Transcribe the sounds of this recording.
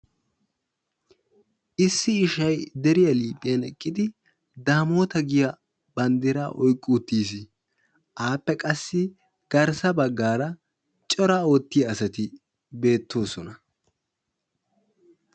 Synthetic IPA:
ʔɪsːɪːʃɐjd̪ɛɾɪjɐliːpʼːɪjɐnɛkʼːɪd̪ɪ | d̪aːmo̞ːt̪ɐɡɪjɐ | bɐnd̪ɪɾɐ̰ʔɔjkʼːuːt̪ːiːsɪ | ʔaːpːɛkʼɐsːɪ | ɡ̥ɐɾsɐbɐɡːaːɾɐ | t͡ʃʼɔɾɐo̞ːt̪ːɪjɐːsɐt̪ɪ | be̞ːt̪ːo̞ːsɔnɐ

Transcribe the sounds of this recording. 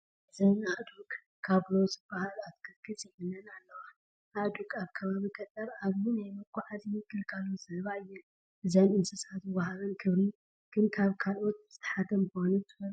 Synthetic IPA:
ʔɨzɐnaʔd̪ukʼ | kʰːaβlozɨb̥ːahalat̪kʰɨlkʰʼɨt͡sʼjjɛlːɐnalːɐwa | aʔd̪ukʼaβkʰɐβaβikʼɐt̪ʼːɐɾaβminajmɨkʰʷʼːaʕazmikːɨlkʼɐluzɐβaɨjːɛ | ʔɨzɐnɨnsʼɨsat̪ɨβahalɐnkʰɨβɾi | ɡ̥ɨnkʰaβkʰalʔo̞t̪̚z̥ɨt̪ʰɐ̥ħat̪ʰɐmkɨhonut̪ʰɨxɐ

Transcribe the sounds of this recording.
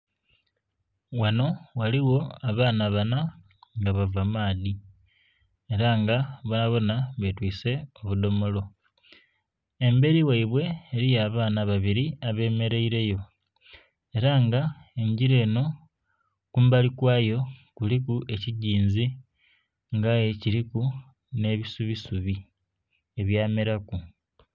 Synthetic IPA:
wano̞waliwo̞aβaːnaβana | ŋɡaβavamaːði | e̞ɾaŋɡaβonaβo̞naβetwiːse̞o̞βud̪o̞mo̞lo̞ | e̞mbe̞ɾiwaiβwe̞ːɾijaːβaːnaβaβiɾiaβe̞ːme̞ɾe̞iɾe̞jo̞ | e̞ɾaŋɡa | e̞ɲɟiɾe̞ːno̞ | kumbalikwaːjo̞kulikue̞ciɟiːnzi | ŋɡajeciɾiku | ne̞βisuβisuβi | e̞βjaːmeɾaku

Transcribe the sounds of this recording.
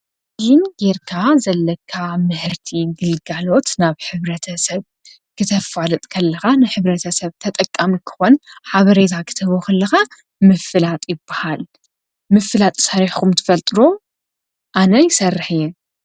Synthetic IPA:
jɪnɡeɾkʰazɐlːɐkʰːamɨhɨɾt̪ʰiɡɨlɡalo̞t̪naβħɨβɾɐt̪ʰɐsɐβ | kʰɨt̪ʰɐfalɨt̪ʼkʰɐlːɐxanɨħɨβɾɐt̪ʰɐsɐβt̪ʰɐt̪ʼɐkʼːamikʰɨ̥xonħaβɐɾet̪ʰakʰɨ̥t̪ʰɐβokɐlːɐxa | mɨfɨlat̪ʼjɪbːahal | mɨfɨlat̪ʼsaɾiħkʰumt̪ʰɨ̥fɐlt̪ʼɨɾo̞ | ʔanɐjɪsɐrːɨħjɛ

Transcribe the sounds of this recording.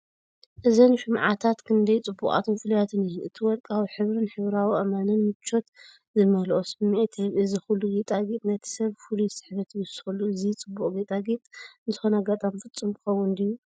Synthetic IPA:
ʔɨzɐnʃɨmʕat̪ʰat̪kʰɨnd̪ɐjt͡sʼɨbːukʼʔa̰t̪ʰonfɨlujat̪ʰɨnijʔɨt̪ʰɨwɔlkʼawiħɨβɾɨnħɨβɾawiʔɐmanɨnmɨt͡ʃːo̞t̪ | zɨmɐlʔosɨmːt̪ʰeβʔɨzixulːuɡet̪ʼaɡit̪ʼnɐt̪ʰi̥sɐβfulujsɨ̥ħβɐt̪ʰijusɨxulːuɨzit͡sʼɨbːukʼɡet̪ʼaɡit̪ʼɨnzɨxo̞naɡat̪ʼamfɨt͡sʼːɨmkʰɨ̥xɐwːʊnd̪ijːu

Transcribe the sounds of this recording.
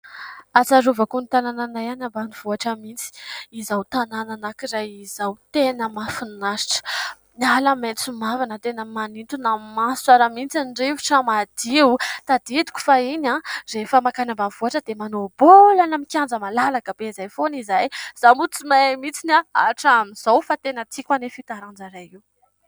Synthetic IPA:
at͡saɾuvakunit̪anananajanambaniv̥uaʈ͡ʂəmint͡si̥izawt̪anananakiɾajizawt̪enəmafunnaʃi̥ʈ͡ʂə̥ | nialəment͡sumavanət̪enəmanint̪unamasu̥t͡saɾamint͡sanɖ͡ʐevuʈ͡ʂəmad̪̥iwt̪ad̪ed̪u̥kʲu̥fainarefəmakanambav̥oaʈ͡ʂəd̪emanobolanamikʲand͡zəmalalakəb̥ezajfonizajz̥amut͡simamit͡sinaaʈ͡ʂamiz̥awfat̪enət̪ʰikʲwanefit̪aɾand͡ʒaɾajiw

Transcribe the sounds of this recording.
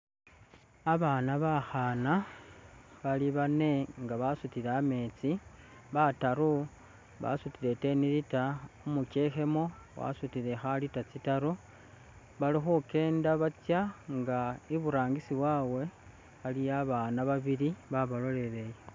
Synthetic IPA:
aβaːnaβaxana | βaliβane̞ŋɡaβasutiɾame̞t͡si | βataɾu | βa̰sutiɾe̞te̞niɾitaumukexe̞mowa̰sutiɾe̞xalitat͡sitaɾu | βalixuke̞ːndaβat͡sjaŋɡaiβuɾaːŋɡisiβwawe̞ | xalijaβanaβaβiɾiβaβalole̞ɾeje

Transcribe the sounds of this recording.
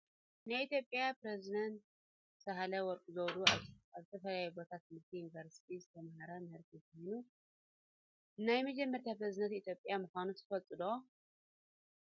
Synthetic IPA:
najit̪ʰjo̞pʼːjapɾezid̪ɐnt̪ | sɐɦalɐwɔɾkʼuzowd̪uazɨt̪ʰɐfɐlɐjubot̪ʰat̪̚ːmɨɾt̪ʰijunivɐɾsi̥t̪ʰizɨt̪ʰɐmɐhɐɾɐmɨhɨɾt̪ʰikʰojnu | ɨnajmɐd͡ʒɛmːɐɾt̪ʰapɾezid̪ɐnt̪it̪ʰjo̞pʼjamuxʷanut̪ʰɨ̥fɐlt͡s̪ʼɨd̪o̞

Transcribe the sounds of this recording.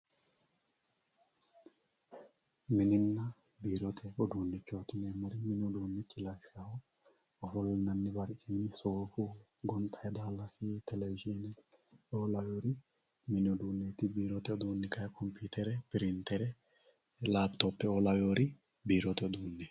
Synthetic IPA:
mɪnɪnːɐ | biːɾɔt̪ʰɛɔd̪uːnːɪt͡ʃːo̞ːt̪ɪneːmɐɾɪmɪnɪɔd̪uːnːɛt͡ʃʼːɪlaʃɐhɔ | ɔfɔlːɪnɐnːɪbɐɾkʼɪnɪsoːfʊ | ɡɔnt̪ʰʼːɐjɛd̪aːlːɐsit̪ɛlɛvɪd͡ʒinɛoːlɐjoːɾɪ | mɪnɪɔd̪uːnːɛt̪ɪbiːɾɔt̪ɛɔd̪uːnːɪkɐjkʰɔmpʰiːt̪ɛɾɛpɪɾɪnt̪ɛɾɛ | laːbt̪opːɛolɐjoːɾɪ | biːɾɔt̪ɛɔd̪uːnːɛ

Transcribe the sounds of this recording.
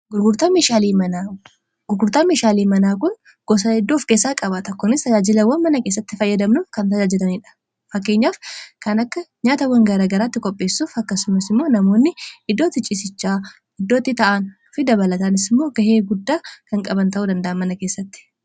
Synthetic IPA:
ɡʊɾɡʊɾt̪ɐmiʃaːliːmɐna | ɡ̥ʊɾɡʊɾt̪ɐmiʃaːliːmɐnaːkʊn | ɡ̥ɔs̬ɐɪd̪ːoːfkeːsːaːkʼɐbat̪ɐkːɔnɪst̪ɐd͡ʒaːd͡ʒɪlɐwɐnmɐnɐkeːs̬ːɐt̪ːɪfɐjːɐd̪ɐmnʊfkɐnt̪ɐd͡ʒaːd͡ʒɪlɐniːᶑɐ̥ | fɐkːe̞ːɲːaːfkɐnɐkːɐɲaːt̪ɐwːɐŋɡɐɾaːɡɐɾaːt̪ːɪkʼɔpʼːe̞ːsːuːfɐkːɐsʊmɐsɪmːo̞ːnɐmo̞ːnːɪɪd̪ːo̞ːt̪ɪt͡ʃʼɪsɪt͡ʃːaː | ɪd̪ːoːt̪ːɪt̪ɐʔanʊfɪd̪ɐbɐlɐt̪ɐnɪsɪmːo̞ːɡɐheːɡʊd̪ːaːkɐŋkʼɐbɐnt̪ɐʔuːd̪ɐnd̪ɐʔɐnmɐnɐke̞ːsːɐt̪ːɪ̥

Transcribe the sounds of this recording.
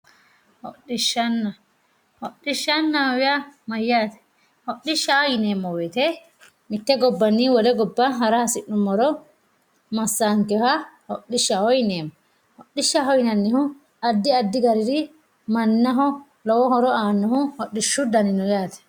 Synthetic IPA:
hɔɗiʃːanːa | hɔɗːiʃanːaɔwɛamajːaːt̪ɛ̥ | hɔɗːiʃaɔjinɛːmːɔwɛt̪ɛ | mit̪ːɛɡɔbːanːiwɔlɛɡɔbːaɦaɾahasiɗumːɔɾɔ | mɐsːaŋkɛhahɔɗːiʃːahɔjinɛːmːɔ | hɔɗːiʃːaɦɔjinanːihu | ad̪ːiad̪ːiɡɐɾiɾi | mɐnːaɦɔ | lɔwɔɦɔɾɔaːnːɔhuhɔɗːiʃːud̪ɐninɔjat̪ɛ̥

